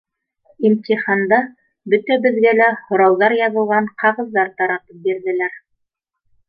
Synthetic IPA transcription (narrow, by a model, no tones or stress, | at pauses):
imt̪ʲiχɑnd̪ɑ | bɵt̪æbɘ̆ðɡælæhŏɾɑwðɑɾjɑβɤ̆lˠʁɑɴqɑʁɤ̆ðːɑɾt̪ɑɾɑpɤp̚biɾðɘ̆læɾ